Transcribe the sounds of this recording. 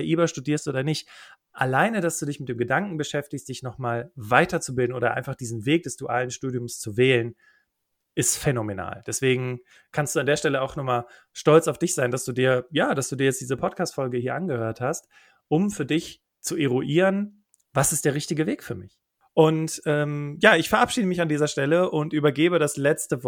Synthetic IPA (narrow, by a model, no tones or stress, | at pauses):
ʔiːbɐʃtudiːɐstʔoːdɐnɪçt | ʔa̰laɪnədasd̥uːdɪçmɪt̚d̥eːmɡədaŋkŋ̩bəʃɛftɪçstd̥ɪçnɔχmaːlvaɪtɐt͡subɪldn̩oːɾɐʔa̰ɪnfaχd̥iːzn̩veːk̚d̥ɛsd̥uʔaːlənʃtuːdjʊmst͡suvɛːlən | ʔɪstfenomena̰ːld̥ɛsv̥eːɡŋ̩ | kʰanstd̥uːandeːɐʃtɛləaʊxnɔmaːl | ʃtɔlt͡saʊfd̥ɪçz̥aɪndasd̥uːdiːɐjaːd̥asd̥uːdiːɐjɛt͡std̥iːzəpʰɔt̚kʰaːstfɔlɡəhiːɐʔanɡəhøːɐthast | ʔʊmfyːɐdɪç | t͡suʔeʁoʔiːʁən | vasɪstd̥eːɐʁɪçtɪɡəveːkfyːɐmɪç | ʔʊntʔɛːmjaːɪçfɛɐʔapʃiːdəmɪçandiːzɐʃtɛləʔʊntʔyːbɐɡeːbədaslɛt͡stəv